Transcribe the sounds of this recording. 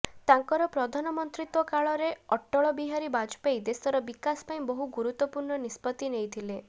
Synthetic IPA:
t̪aŋkɔɾɔpɾɔd̪ʱanɔmɔnt̪ɾit̪wɔkaɭɔɾeɔʈːɔɭɔbiɦaɾibad͡ʒpejd̪esɔɾɔbikaspaĩbɔɦuɡuɾut̪ːɔpuɾɳɔnispɔt̪inejt̪ʰile

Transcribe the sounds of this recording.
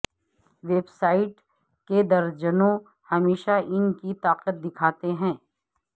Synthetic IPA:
ʋeːbsaːɪʈ | ked̪ɐɾd͡ʒənõ | hɐmeːʃaʔɪnkit̪aːqət̪̚d̪ɪkʰaːt̪eɦɛ̃ː

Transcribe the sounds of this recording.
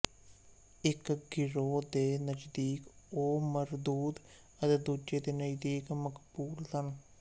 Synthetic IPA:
ɪkɡɪɾoːd̪eːnəd͡ʒd̪iːkoːməɾd̪uːd̪ | ət̪eːd̪uːd͡ʒeːd̪eːnəd͡ʒid̪iːkməkbuːlsən

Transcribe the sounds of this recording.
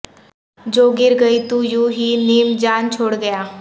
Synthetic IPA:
d͡ʒoːɡɪɾɡəit̪ujuːɦiːniːmd͡ʒaːnt͡ʃʰoːɽɡəjaː

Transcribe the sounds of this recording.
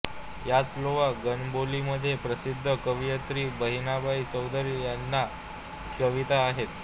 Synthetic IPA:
jat͡sloʋaɡənboliməd̪ʱːjepɾəsid̪ʱːəkəʋjət̪ɾiːbəɦinabait͡səwd̪ʱəɾijanːa | kəʋit̪aːɦet̪

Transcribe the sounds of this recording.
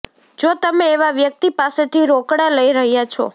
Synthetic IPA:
d͡ʒot̪əmeːʋaʋjək̚t̪ipaset̪iɾokɽaləiɾəɦjat͡ʃʰɔ̰

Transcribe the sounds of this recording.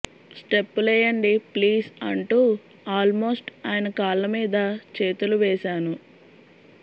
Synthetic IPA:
sʈepːulɛːjɐɳɖipliːsɐ̰ɳʈuː | aːlmo̞ːsʈaːjɐnɐkaːlːɐmiːd̪ɐt͡ʃeːt̪uluʋɛːʃaːnu

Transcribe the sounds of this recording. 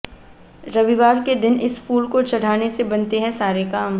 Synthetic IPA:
ɾɐʋiʋaːɾked̪ɪnɪsfuːlkot͡ʃɐɽ̤aːnesebɐnt̪eɦɛ̃saːɾekaːm

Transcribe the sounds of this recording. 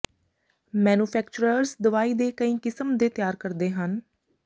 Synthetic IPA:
mɛːnuːpʰɛːkt͡ʃʊɾəɾzd̪əʋaːiːd̪eːkəĩːkɪsəmd̪eːt̪ɪjaːɾkəɾd̪eːɦən

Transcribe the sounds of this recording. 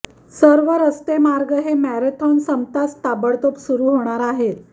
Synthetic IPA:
səɾʋəɾəst̪emaɾɡəɦemæɾet̪ʰɔnsəmt̪ast̪abəɭt̪opsuɾuːɦoɽ̃aɾaɦet̪

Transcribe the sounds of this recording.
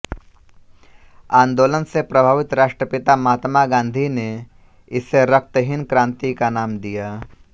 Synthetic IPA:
ãːnd̪oːlənsepɾəbʱaːʋɪt̪ɾaːʃʈɾəpɪt̪amaːt̪maɡãːnd̪ʱine | ɪseɾɐk̚t̪əɦɪnkɾãːnt̪ikanaːmd̪ijaː

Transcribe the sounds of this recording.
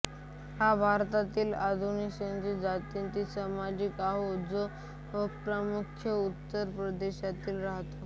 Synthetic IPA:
habʱaɾt̪at̪iːlad̪ʱunisənt͡sid͡zat̪int̪iːsəmad͡ʑikaɦod͡zo | əpɾəmukʰjəut̪ːəɾpɾəd̪eɕat̪iːlɾaɦt̪o

